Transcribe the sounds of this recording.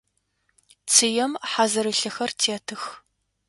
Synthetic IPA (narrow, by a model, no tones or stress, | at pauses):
t͡sʰɨjɛmħaːzɐɾɨɬɨxɐrtʰeɛtʰɨx